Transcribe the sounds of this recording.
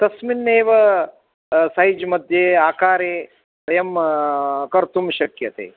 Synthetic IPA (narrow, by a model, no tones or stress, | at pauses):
t̪ɐsminːeːʋɐ | said͡ʒmɐd̪ʱjeaːkaːɾe | sɐjɐm | kɐɾt̪umʃɐkjɐt̪ḛː